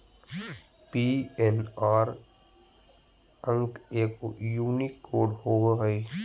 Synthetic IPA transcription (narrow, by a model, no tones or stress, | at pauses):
pienaːɾ | ə̃ŋkeːkjuːnikːoːɖhoːɡaɦəi